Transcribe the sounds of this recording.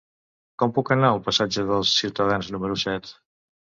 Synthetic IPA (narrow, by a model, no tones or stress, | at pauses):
kɔmpukənaəlˠpəsad͡ʒəðəlˠsːiwt̪əðanznuməɾusɛt̪